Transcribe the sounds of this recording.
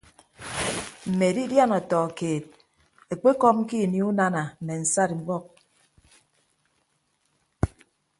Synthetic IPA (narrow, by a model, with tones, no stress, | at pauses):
m̩˨me˨di˦dja˦˨nɔ˨tɔ˨keː˨t̚ | e˨k͡pe˦kɔ˦m̩̚˦ki˦˨ni˦u˦na˦na˨m̩˨me˨n̩˨sa˦˨dŋ͡m̩˦ɡ͡bɔ˦k̚